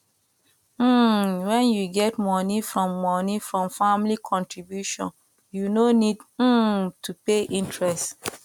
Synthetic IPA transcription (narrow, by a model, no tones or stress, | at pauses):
m̩wɛ̃njuɡɛtmɔnifɹɔ̃mːɔnifɹɔ̃mfãmlikʰɔ̃ntɹibjuʃɔ̰̃n | junonidm̩tʰupeʔĩntɹɛst